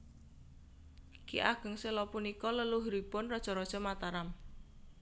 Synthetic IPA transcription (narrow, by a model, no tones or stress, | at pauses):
kḭʔaɡ̥ə̤ŋselɔpunikɔləluɦɾipʊnrɔd̥ʒ̥ɔ̤ɾɔd̥ʒ̥ɔ̤mat̪aɾam